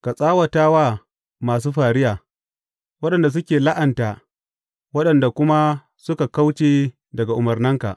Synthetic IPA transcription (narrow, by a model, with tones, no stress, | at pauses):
ka˨sʼaː˦wɐ˨taː˦waː˦ | maː˨s̬uː˦ɸaː˨ɾɪ˦jaː˨ | wɐ˦ɗɐ˨nda˨s̬ʊ˦kʲeː˨la˦ʔɐ˨ntaː˨ | wɐ˦ɗɐ˨nda˨kʷʊ˦ma˦ | sʊ˦ka˨ka˦wt͡ʃeː˦ | dɐ˨ɡa˨ʔʊ˨mɐ˨rnɐ˦ŋka̰˨ʔ